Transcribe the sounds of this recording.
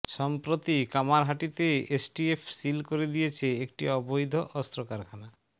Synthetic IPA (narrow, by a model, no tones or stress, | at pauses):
ʃɔmpɾot̪ikamaɾɦaʈit̪eesʈiepʰsilkoɾed̪ijet͡ɕʰeek̚ʈiɔbojd̪ʱoʔɔst̪ɾokaɾkʰana